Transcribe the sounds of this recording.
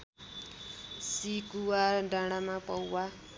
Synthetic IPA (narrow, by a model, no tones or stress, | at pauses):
sikuwaɖãɽ̃amãpʌwːa